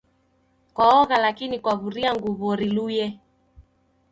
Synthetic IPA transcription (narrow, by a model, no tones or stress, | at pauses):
kwaɔɣalakinikwaβuɾiaŋɡuβɔɾilujɛ